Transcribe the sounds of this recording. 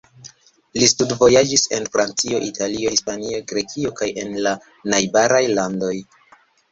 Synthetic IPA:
listudvo̞jad͡ʒise̞nfɾant͡sio̞ʔitʰalio̞hispanioɡɾe̞kʰio̞kaje̞nla | najbaɾajlando̞j

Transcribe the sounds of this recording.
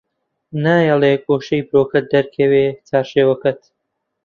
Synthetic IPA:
naːjɛlˠeːkoːʃejbɨɾoːkɐt̪̚d̪ɐɾkʰɐweːt͡saːɾʃeːwɐkɐt̪

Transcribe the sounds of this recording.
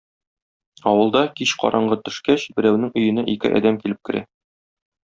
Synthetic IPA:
ɒwɤ̆lˠd̪ɑkiɕqɒ̰ɾʔɑɴɢɤt̪ɵ̆ʃkæɕbɘ̆ɾæwnɘŋɵ̆jɘ̆næʔikɘ̰ʔɒ̰d̪æmkilɘp̚kɘ̆ɾæ̰

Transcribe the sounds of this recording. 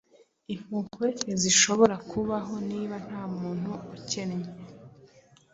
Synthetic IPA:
im̥uːŋkwe̞ziʃo̞βo̞ɾakʰuβaɦo̞niːβan̥haːmuːn̥huuce̞nɲe

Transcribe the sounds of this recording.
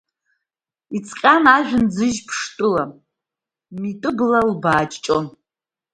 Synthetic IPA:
it͡sʼqʲʼanaʒᶣɪnd͡zɨʒpʰʂtʼɨla | mitʼɨblalbaːt͡ʃʼt͡ʃʼon

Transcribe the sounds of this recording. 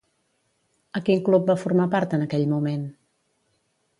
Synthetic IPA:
əkiŋklup̚bafuɾmapaɾt̪ənəkɛʎmumen

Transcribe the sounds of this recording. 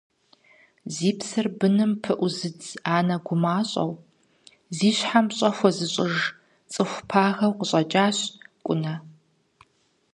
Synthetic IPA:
ziːpsɨrbɨnɨmpʰɨʔʷʊzɨd͡zaːnɐɡʷʊmaːɕʼɐ̰w | ziːɕħamɕʼɐxʷɔzɨɕʼɪʒ | t͡sʼɨxʷpʰaːɣɐwqəɕʼɐt͡ʃʼaːɕkʷʼʊnɐ

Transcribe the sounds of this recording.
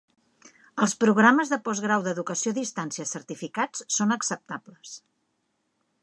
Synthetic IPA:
əlˠspɾuɣɾaməzðəpɔzɣɾawðəðukəsioðist̪ansiəsərt̪ifikat͡ssonəksəp̚t̪apləs

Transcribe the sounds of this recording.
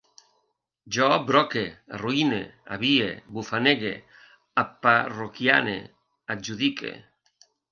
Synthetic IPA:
d͡ʒɔbɾɔkearuinea̰βiebufaneɣḛ | apːarokjanḛ | ad͡ʒuðikḛ

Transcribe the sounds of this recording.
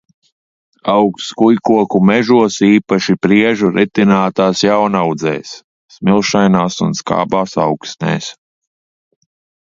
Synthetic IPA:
awkskujkuɔkumɛʒuɔsiːpaʃipɾiɛʒuɾit̪inaːt̪aːsjawnawd̪zɛ̰ːsː | milˠʃajnaːsunska̰ːbaːsa̰wksnɛ̰ːs

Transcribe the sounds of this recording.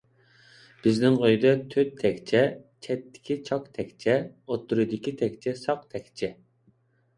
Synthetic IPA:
b̥ɪznɪŋʁøjd̪ɛt̪ʰøt̪̚ʰːɛkʲt͡ʃʰɛt͡ʃʰɛt̪ʰːɪ̥kʲit͡ʃʰɑkt̪ʰɛkʲt͡ʃʰɛot̪ʰːuɾɨd̪ɪkʲit̪ʰɛkʲt͡ʃʰɛsɑqt̪ʰɛkʲt͡ʃʰɛ

